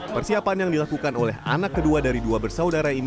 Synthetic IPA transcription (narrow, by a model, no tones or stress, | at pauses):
pərsiapanjaŋdilakukanolɛɦa̰nakːəduadaɾiduabərsaudaɾain